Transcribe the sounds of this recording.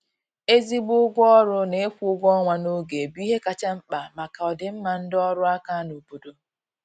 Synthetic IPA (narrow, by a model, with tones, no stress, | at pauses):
e˦zi˦bʊ˦ɡʷɔ˦ɾʊ˦ne˦e˦kʷu˦ʊ˦ɡʷɔ˦ŋʷa˨no˦ɡe˨bi˦ɦe˦ka˨t͡ʃa˦m̩˦k͡pa˨ma˨ka˨ɔ˨dɪ˨m̩˦ma˨n̩˦dɔ˦ɾʊ˦a˦ka˦no˨bo˨do˨